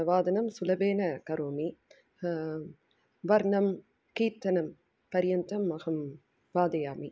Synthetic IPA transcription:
ʋaːd̪ɐnɐmsulɐbeːnɐkɐɾoːmi | ʋɐɾnɐm | kiːt̪ːɐnɐm | pɐɾjɐnt̪ɐmːɐɣɐm | ʋaːd̪ɐjaːmi

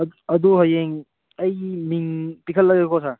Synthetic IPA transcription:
ɐd̪uɦajeŋ | ɐjmiŋpikʰəlːɐɡekʰosa

